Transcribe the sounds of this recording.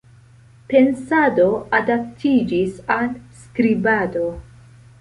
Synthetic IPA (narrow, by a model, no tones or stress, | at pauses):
pe̞nsado̞adap̚tʰid͡ʒisalskɾibado̞